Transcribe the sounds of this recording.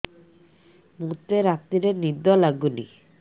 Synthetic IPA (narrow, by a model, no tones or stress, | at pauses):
mut̪eɾat̪ːiɾenid̪ɔlaɡunḭ